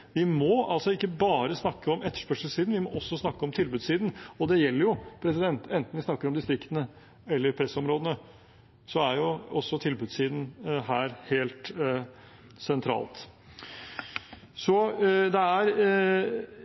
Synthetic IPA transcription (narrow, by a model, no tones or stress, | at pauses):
ʋɪmɔɑlsɔɪkːəbɑːɾəsnɑkːəɔmɛt̪ːə̥ʂpœʂəlsiːd̪n̩ʋɪmɔʔɔsːɔsnɑkːəɔmt̪ʰɪlbʉːd̪siːd̪n̩ɔd̪ɛjɛlːəɾjʊpʰɾɛsɪd̪ɛnt̪ɛnt̪n̩ʋɪsnɑkːəɾɔmd̪ɪst̪ɾɪkt̪ənə | ɛlːəɾpʰɾɛsɔmɾoːd̪ənə | sɔæɾjʊɔsːɔt̪ʰɪlbʉːd̪siːd̪n̩ɦæːɾheːlt̪ | sɛnt̪ʰɾɑ̰ːlt̪ | sɔd̪ɛæɾ